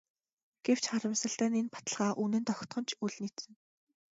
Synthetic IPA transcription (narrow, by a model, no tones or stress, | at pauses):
ɡ̥ew̥t͡ɕχaɾə̆msə̆ɬt̪æːnenpḁt̪ə̆ɮʁaːʔunɘ̆nt̪ɔxʲt̪ɢɞ̆nt͡ɕʰuɮniːt̪sɘ̆ŋ